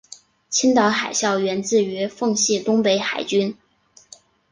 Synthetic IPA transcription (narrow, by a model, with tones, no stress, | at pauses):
t͡ɕʰi˥ŋt̪ɑ˧˥ʊxa˨˩ɪɕjɑ˥˩ʊɥɛ˧˥nt͡sɹ̩˥˩y˧˥fɤ˥˧ŋɕi˥˩t̪ʊ˥ŋpe˧˥ɪxa˨˩ɪt͡ɕy˥n